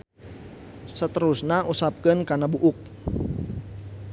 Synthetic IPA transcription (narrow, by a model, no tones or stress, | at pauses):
sət̪əɾusnaʔusap̚kənkanabuʔuk̚